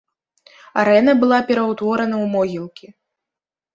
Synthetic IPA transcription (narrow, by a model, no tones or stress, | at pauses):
aɾɛnɐbɨlˠapʲɛɾɐwt̪vɔɾɐnɐwmɔɣʲilˠkʲi